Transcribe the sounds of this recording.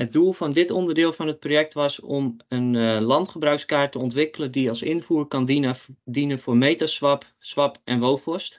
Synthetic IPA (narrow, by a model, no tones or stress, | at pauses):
ɦət̚dulˠfɔndɪtɔndərdɪːlˠfɔnɦət̚projɛk̚tʋɑsɔmənlɑntχəbraɥkskaːɹtəɔntʋɪkələndiɑlˠsɪnfuːrkɑndinənfoːrmejtasʋap | sʋɑpʔɛnʋowfɔst